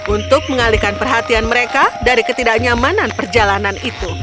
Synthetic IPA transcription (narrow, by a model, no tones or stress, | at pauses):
ʔunt̪ʊk̚məŋalikanpərɦat̪ianməɾekadaɾikət̪idaʔɲamananpərd͡ʒalananit̪u